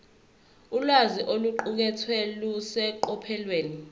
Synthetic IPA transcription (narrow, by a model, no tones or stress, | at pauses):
ulwaziʔoluǃuk̬ɛtʰwɛlusɛǃɔpʰɛlweːni